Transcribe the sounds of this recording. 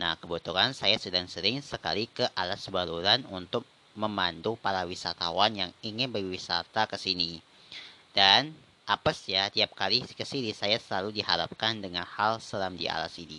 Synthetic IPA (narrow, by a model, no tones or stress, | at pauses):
na̰hkəbut̪uɦansajasudaŋsəɾɪŋsəka̰likəʔalasbaluɾanunt̪ʊk̚ | məmandupaɾawisat̪a̰wanjaŋiŋɪnbərwisa̰t̪akəsini | dan | ʔapasjat̪iap̚kalikəsinisajasəlaludihaɾa̰p̚kandəŋanhalsəlamdḭa̰la̰sinḭ